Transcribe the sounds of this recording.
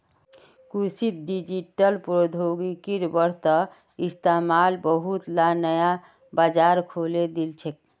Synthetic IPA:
kusit̪̚ɖid͡ʒiʈəlpɾod̪ʱoɡikiɾbəɾt̪ə | ist̪amalbəɦut̪lanəja | bad͡ʒaɾkʰoled̪ilt͡ʃʰek̚

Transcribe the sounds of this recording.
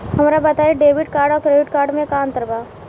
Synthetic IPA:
ɦɐmɾabɐt̪aːeɖeːʋɪɖ̚kaːɾɖɔːɾkɾeːʋɪʈkaːɾɖmẽkaːnt̪əɾbaː

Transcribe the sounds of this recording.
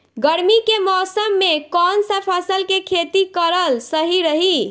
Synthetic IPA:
ɡəɾmikemɔsəmːekɔnsəpʰəsəlkekʰet̪ikəɾəlsəɦiɾəɦi

